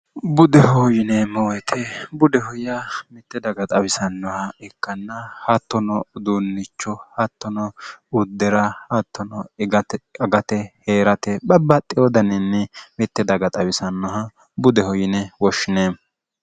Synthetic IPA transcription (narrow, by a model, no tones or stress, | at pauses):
bʊd̪ɛhɔjɪnemɔwɛt̪ʰɛbʊd̪ɛhɔjɐmɛt̪ːɛd̪ɐɡɐt̪ʼɐbɪsɐnːɔhɐɛkːɐnːɐhɐt̪ːɔnɔd̪uːnːɪt͡ʃːɔhɐt̪ːɔnɔʊd̪ːɛɾɐhɐt̪ːɔnɔɡɐtɐɡɐt̪ɛheːɾɐt̪ɛbɐbːɐt̪ʼːɪjɔd̪ɐnɛnːɛmɛt̪ːɛd̪ɐɡɐt̪ʼɐbɪsɐnːɔɦɐ | bʊd̪ɛhɔjɪnɛwɔʃːɪneːm